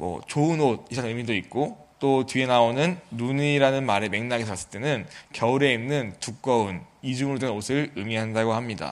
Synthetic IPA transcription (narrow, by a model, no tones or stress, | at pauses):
mwʌ̰t͡ɕoɯnod̚isʰanɯmidoik̚k͈ot͈otɥie̞naonɯnːuɲiɾanɯnmaɾeme̞ŋnaɡesʰʌas͈ɯ̥ɭt͈e̞nɯnkjʌuɾe̞imnɯntuk̚k͈ʌunid͡ʑuŋɯɾodenosʰɯɾɯmiɦandaɡoɦamɲida̰